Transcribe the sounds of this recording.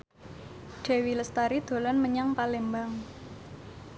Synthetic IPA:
ɖ̥e̤wiləst̪aɾid̪̥o̤lɔnməɲaŋpalembaŋ

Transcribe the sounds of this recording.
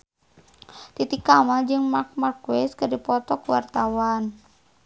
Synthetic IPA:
t̪it̪ikamad͡ʒɨŋmark̚markwɛskɨrdipɔt̪ɔkuwa̰rt̪awan

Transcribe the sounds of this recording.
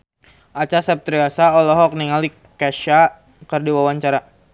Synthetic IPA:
ʔat͡ʃasap̚t̪ɾiasaɔlɔɦɔk̚niŋali | kaʃa | kərdiwawaɲt͡ʃaɾa

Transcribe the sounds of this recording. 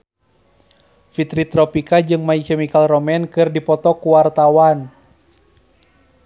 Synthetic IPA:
fit̪ɾit̪ɾɔpikad͡ʒɨŋmaikɛmikalrɔmɛnkɨrdipɔt̪ɔkuwart̪awan

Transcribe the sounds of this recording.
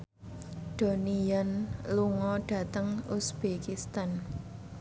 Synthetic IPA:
d̪̥o̤nijanluŋɔɖ̥ä̤t̪əŋusb̥ekist̪an

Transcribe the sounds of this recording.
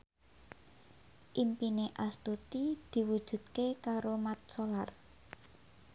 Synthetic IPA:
ʔimpineʔast̪ut̪id̪̥i̤wud̥ʒ̥ṳd̪̚kekaɾomat̪̚solar

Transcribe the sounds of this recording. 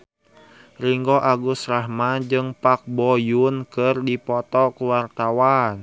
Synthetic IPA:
riŋɡɔʔaɡusrahmad͡ʒɨŋpak̚bɔjunkərdipɔt̪ɔkuwart̪awan

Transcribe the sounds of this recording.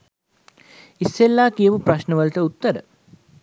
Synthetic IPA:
isːelːaːkijəʋupɾaʃnəʋəlt̪əut̪ːəɾə̰

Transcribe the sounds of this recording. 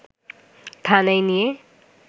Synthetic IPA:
t̪ʰanajnije

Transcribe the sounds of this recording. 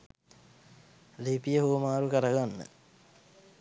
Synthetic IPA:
lipijəɦuəmaːɾukəɾəɡanːə̰

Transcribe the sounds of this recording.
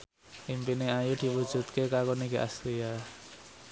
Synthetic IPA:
ʔimpineajud̪̥i̤wud̥ʒ̥ṳt̪̚kekakoniɡeʔa̰sɾia

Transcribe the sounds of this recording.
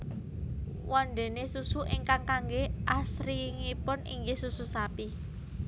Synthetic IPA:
wɔnɖ̪e̤nesusuʔiŋkaŋkaŋɡeʔasɾiŋipʊnḭŋɡehsususapi

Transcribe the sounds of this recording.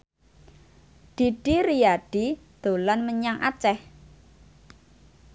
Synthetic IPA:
d̪̥i̤ɖ̥iɾiaɖ̥id̪̥o̤lanməɲaŋʔa̰t͡ʃɛh

